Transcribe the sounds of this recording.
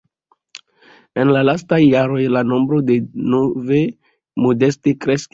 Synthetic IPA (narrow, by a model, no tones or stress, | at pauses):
enlalastajːaɾo̞jlano̞mbɾo̞denove | mode̞stikɾe̞sk